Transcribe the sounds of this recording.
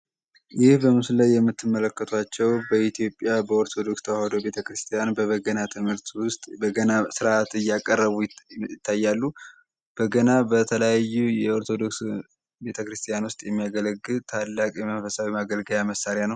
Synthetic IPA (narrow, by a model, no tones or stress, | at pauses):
jɪhbəmɨsllajːɛmːɨt̪ʰːɨmːələkːət̪ʰwat͡ʃːɛwbəit̪ʰijo̞pʼːjabəo̞ɾt̪ʰo̞d̪o̞kst̪ʰəwahod̪o̞be̞t̪ʰəkɾɨst̪ʰijanbəβəɡənat̪ʰɨmhɨɾt̪ʰwʊst̪ʼbəɡənasɨɾat̪ɨjːakʼərːəβuɪt̪ʰːajːalːu | b̥əɡənabət̪ʰələjajːujɛo̞ɾt̪ʰo̞d̪o̞ks | be̞t̪ʰəkɾɨst̪ʰʼijanwʊst̪ʼjɛmːijaɡələɡːɨlt̪ʰalːakʼjɛməfəsawimaɡəlɡəjaməsːaɾjanəw